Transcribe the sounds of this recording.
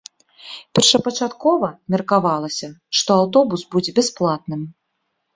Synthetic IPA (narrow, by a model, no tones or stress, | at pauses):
pʲɛrʂɐpɐt͡ʂat̪kɔvɐmʲɛrkavalˠɐsʲɐʂt̪ɔawt̪̬ɔbusbud͡zʲɛbʲɛsplˠat̪nɨm